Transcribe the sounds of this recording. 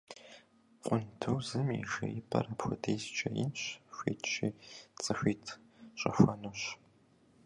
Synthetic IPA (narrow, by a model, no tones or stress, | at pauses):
qʷʼʊntʰɨwzɨmḭʒɐjɪpʰʼɐ̰rɐpxʷʊdʰeːzt͡ʃʼɐjɪ̰nɕɕʷḛːtʰt͡ʃʼiːt͡sʼɨɕʷiːtʰ | ɕʼɐxʷɐnuːɕ